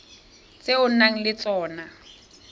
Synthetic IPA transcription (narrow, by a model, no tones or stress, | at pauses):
t͡sʼeʊn̩naŋ̩lɪt͡sʼɔːna